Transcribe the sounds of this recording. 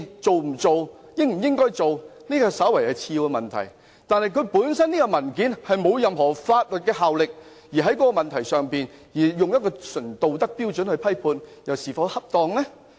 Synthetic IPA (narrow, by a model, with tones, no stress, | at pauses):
t͡so˨wm̩˨˩t͡so˨wjɪ˥ŋm̩˨˩jɪ˥ŋkɔː˥jt͡so˨wniː˥kɔː˧sɐ˨˥wɐ˨˩jɐ˨t͡sʰiː˧wɛ˧mɐ˨˩nt̪ʰɐ̰˨˩j | t̪aː˨˧nhɐ˨jkʰɵ˨˧ɥpuː˨˥nsɐ˥niː˥kɔ˧mɐ˨˩nkiː˨˥nhɐ˨jmo˨˧wjɐ˨mɦɔː˨˩faː˧t̚lɵ˨t̚kɛː˧ɦaː˨wlɪ˨k̚ | jiː˨˩ɦɐ˨˥jkɔː˧˥kɔ˧mɐ˨nt̪ʰɐ˨˩jsœː˨ŋpiː˨njiː˨˩jʊ˨ŋjɐ˥t̚kɔː˧sɵ˨˩nt̪o˨wt̪ɐ˥k̚piː˥wt͡ʃɵ˨˥nhɵ˧ɥpʰɐ˥jpʰuː˧njɐ˨˩wsiː˨˩fɐ˨˧whɐ˥p̚t̪ɔː˨˧ŋlɛ˥